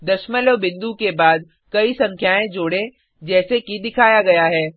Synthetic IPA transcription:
d̪ɐʃmələʋbɪ̃nd̪ukebaːd̪ | kɐisɐ̃ŋkʰjaːẽd͡ʒoːɽẽ | d͡ʒɛːsekid̪ɪkʰaːjaɡɐjaɦɛː

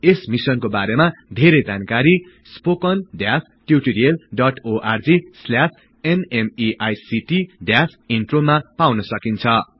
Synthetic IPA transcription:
esmisʌnkobaɾemad̪ʱeɾejd͡zankaɾi | spokʌnɖjas | ʈjuʈiɾiʌlɖʌʈoʔard͡zisljas | enemiʔajsiʈiɖjasinʈromapawnʌsʌkint͡sʰʌ

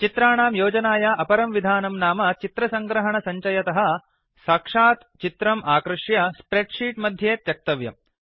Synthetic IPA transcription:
t͡ʃit̪ɾaːɳaːmjoːd͡ʒɐnaːjaʔɐpɐɾɐmʋid̪ʱaːnɐmnaːmɐt͡ʃit̪ɾɐsɐŋɡɾɐɦɐɳɐsɐɲt͡ʃɐjɐt̪ɐɦɐ̆ | saːkʂaːt̪t͡ʃit̪ɾɐmʔaːkɾɨʂjɐspɾeʈʂiːʈmɐd̪ʱjeːt̪jɐk̚t̪ɐʋjɐ̰m

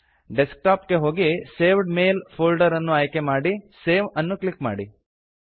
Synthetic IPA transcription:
ɖesk̚ʈaːpkeɦo̞ːɡise̞ːʋɖmeːlpʰoːlɖɐɾɐnːuaːjkemaːɽiseːʋɐnːuklikmaːɽi

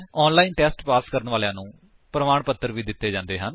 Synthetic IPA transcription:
ɔːnlaːiːnʈɛːsʈpaːskəɾənʋaːlejãːnũː | pɾəmaːɳpət̪ːəɾʋiːd̪ɪt̪ːeːd͡ʒãːnd̪eːɦən

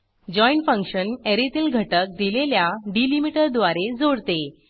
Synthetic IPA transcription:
d͡ʑɔiɳʈfə̃ŋkɕəneɾet̪iːlɡʱəʈək̚d̪ileljaɖilimiʈəɾd̪ʋaɾed͡zoɽt̪e

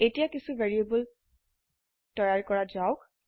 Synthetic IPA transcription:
etijakisuvʱeɹiebul | tɔjaɹkɔɹazaʊk

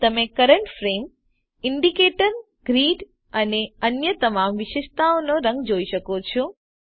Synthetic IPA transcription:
t̪əmekəɾəɳʈfɾem | ɪɳɖikeʈəɾ | ɡ̥ɾiɖ | əneənjət̪əmamʋiʃeʃt̪aonoɾə̃ŋɡd͡ʒoiʃəkot͡ʃʰo

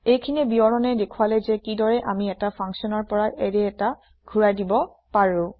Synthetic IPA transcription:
ejkʰinɛbiɔɹɔnɛdekʰualɛzɛkidɔɹɛʔamiɛtapʰaŋsɔnɔɹpɔɹaʔɛɹɛɛta | ɡʱuɹajdibɔ | paɹuʊ̃

